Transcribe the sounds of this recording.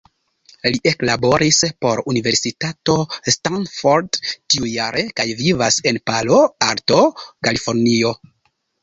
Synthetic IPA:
liʔe̞klabo̞ɾʔispo̞ɾunive̞ɾsitato̞stanfoɾdtiujaɾʔekajvivase̞npalo̞aɾto̞kalifo̞ɾnio̞

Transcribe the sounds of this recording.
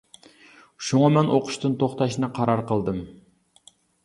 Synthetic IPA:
ʃuŋɑmɛnʔoqʰʊ̥ʃt̪ɨnt̪ʰoχt̪ɑʃinɨqʰɑɾɑɾqʰəlˠd̪ɨm

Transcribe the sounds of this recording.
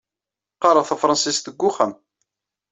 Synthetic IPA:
qɑɾˤəθəfɾˤɑnsisθəɡʷːʊχæm

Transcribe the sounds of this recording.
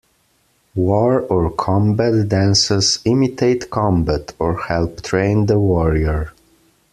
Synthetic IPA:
wɔɹɔɹkʰɑ̃mbætdæ̃nsəzɪmitʰeɪtkʰɑ̃mbætʰɔɹhɛlˠptʰɹẽɪ̃nðəwɔɹiəɹ

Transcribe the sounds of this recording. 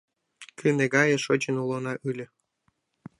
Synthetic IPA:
kʰɯneɡɑjĕʃot͡ɕənulˠonɑʔɯlʲɘ̆

